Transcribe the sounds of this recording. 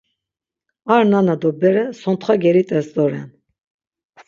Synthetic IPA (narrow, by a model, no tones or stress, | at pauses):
aɾnanad̪ɔbɛɾɛsɔnt̪ʰχwaɡɛɾit̪ʼɛsd̪ɔɾɛ̰n